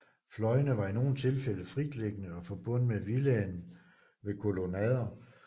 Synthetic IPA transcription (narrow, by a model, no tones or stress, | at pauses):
flɒ̽ɪənəʋɑ̈ino̝ːn̩t͡sʰe̝lfel̰əfʁid̥leɡ̥ənəɒ̽fɒ̽b̥ɔ̽n̰meʋilɛːnn̩ | ʋe̝kʰo̝lo̝nɛð̰ˠɐ